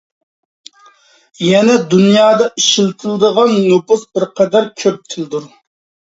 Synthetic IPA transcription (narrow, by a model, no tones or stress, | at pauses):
jɛnɛd̪unjɑːd̪ɑiʃilt̪ʰɪlɨd̪əʁɑnːopʊsbɪɾqʰɛd̪æɾkʲʰøp̚t̪ʰɪld̪uɾ